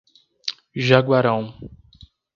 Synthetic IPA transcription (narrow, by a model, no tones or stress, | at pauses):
ʒaɡwaɾɐ̃w̃